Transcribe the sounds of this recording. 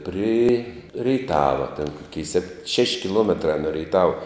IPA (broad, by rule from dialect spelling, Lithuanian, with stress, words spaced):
pʲrʲɪ rʲɛɪˈtɑːʋɐ tʲɛn ˈkoːkʲɛɪ sʲɛp ʃʲɛʃʲ kʲɪˈlˠuɔmʲɛtrɐ noː rʲɛɪˈtɑːʋɐ